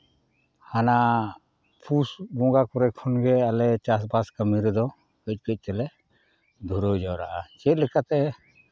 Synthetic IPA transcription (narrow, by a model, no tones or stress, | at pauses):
hana | pʰusɡɔ̃ɡakɔɾɛkʰːɔnɡɛalɛt͡ʃasbaskamiɾɛd̪ɔ | kəc̚ˀkəc̚ˀt͡ʃɛlɛ | d̪ʱuɾəd͡ʒawɾa̰ʔat͡ʃɛt̪̚ˀlɛkat̪ɛ